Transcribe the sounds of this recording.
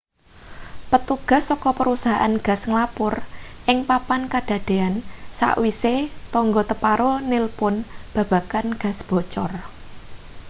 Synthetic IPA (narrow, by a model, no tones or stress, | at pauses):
pət̪uɡ̥a̤hsːɔkɔpəɾusaɦaʔanɡ̥a̤sŋlapʊrʔɪŋpapankad̥ä̤d̪̥e̤ansa̰ʔwiset̪ɔŋɡot̪əpaɾonɪlpʊnb̥ä̤b̥ä̤kanɡ̥ä̤sb̥o̤t͡ʃɔr